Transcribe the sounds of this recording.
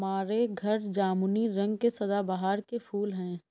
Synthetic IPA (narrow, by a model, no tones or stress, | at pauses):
maːɾeɡʱɐɾd͡ʒaːmuniɾɐ̃ŋɡkesɐd̪abaɦaːɾkepʰuːlɦɛ̃ː